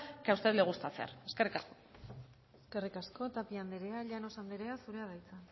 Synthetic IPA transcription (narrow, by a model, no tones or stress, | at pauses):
kaust̪et̪leɣust̪at͡sea̰ɾeskerikasko | eske̞rikasko̞t̪apiand̪eɾeaʎano̞sand̪eɾe̞asuɾe̞að̞ajt͡san